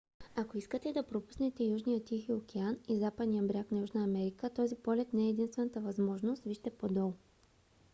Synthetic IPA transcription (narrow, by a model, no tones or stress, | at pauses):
akoiskət̪ɛd̪ɐpɾopu̥snɛt̪ɛjuʒnijət̪ixiokɛanizapəd̪nijəbɾʲaknɐjuʒnəːmɛɾikət̪ɔzipɔlɛt̪nɛɛːd̪inst̪vɛnət̪əvɐzmɔʒnost̪viʃt̪ɛpod̪ɔlˠ